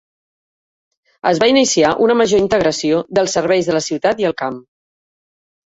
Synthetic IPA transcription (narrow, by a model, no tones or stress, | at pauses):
əzβainisiaʔunəməʒoint̪əɣɾəsioðəlˠsəɾβɛjzðələsiwt̪at̪iəlˠkam